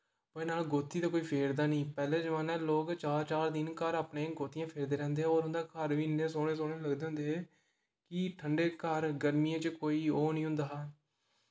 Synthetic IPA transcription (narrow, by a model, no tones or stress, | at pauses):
pəeːnaːlɡoːt̪ːiːd̪aːkoːiːpʰeːɾd̪aːnĩːpɛːleːd͡ʒəʋãːnɛːloːkt͡ʃaːɾt͡ʃaːɾd̪ɪnkəɾaːpɳẽːɡoːt̪ijãːpʰeːɾd̪eːɾɛ̃ːnd̪eːoːɾɦʊnd̪aːkəɾʋiːnẽːs̬oːɽ̃eːs̬oːɽ̃eːləɡd̪eːɦʊ̃nd̪eːɛː | kɪʈʰəɳɖeːkəɾɡəɾmiːãːt͡ʃəkoːiːoːnĩːɦʊ̃nd̪aːɦ